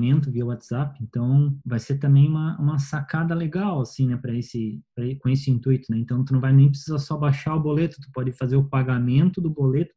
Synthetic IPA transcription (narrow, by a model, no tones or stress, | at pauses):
mẽnt̪ʊviɐʊwat̪z̥apɪẽnt̪ɐ̃w̃vajseɾt̪ɐ̃mbẽj̃ũmɐũmɐsakad̪ɐleɡawasĩnɛpɾɐesɪpɾɐekõesɪĩnt̪ujt̪ʊnɛẽnt̪ɐ̃w̃t̪unɐ̃w̃vajnẽj̃p̬ɾe̥sizɐsɔbaʃaɾʊbolet̪ʊ̥t̪ʊ̥pɔd͡ʒɪfazeɾʊpaɡamẽnt̪ʊd̪ʊbolet̪ʊ̥